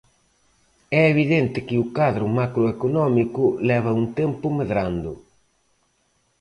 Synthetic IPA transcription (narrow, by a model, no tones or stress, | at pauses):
ɛeβiðent̪ɪkɪʊkaðɾʊmakɾoekonɔmikʊlɛβɐunt̪ɛmpʊmeðɾand̪ʊ̰